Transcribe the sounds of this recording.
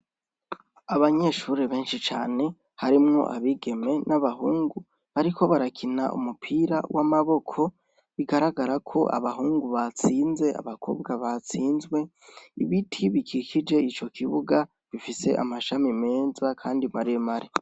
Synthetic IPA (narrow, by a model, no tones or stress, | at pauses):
aβaɲe̞ʃuːɾeβe̞ːnʃit͡ʃa̰ːne̞ | haɾimŋo̞̰ʔa̰βiɡe̞me̞naβaɦuːŋɡu | βaɾikʰo̞βaɾakʰinaʔṵmupʰiːɾa̰wʔamaβo̞kʰo̞ | βiɡaɾaɡaɾakʰo̞̰ʔa̰βaɦuːŋɡuβat͡siːnze̞a̰βakʰo̞̰ːbɡaβat͡siːnzɡwe̞ | iβitʰiβikikid͡ʒe̞it͡ʃo̞kʰiβuɡa | βifise̞̰ʔa̰maʃamime̞ːzakʰaːndimaɾijemaɾi